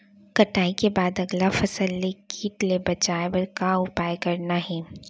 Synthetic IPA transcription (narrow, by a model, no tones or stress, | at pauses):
kɐʈaːikebaːd̪ɐɡlafɐsəlːekiːʈlebɐt͡ʃaːebəɾkaʊpaːjkɐɾnaɦɛː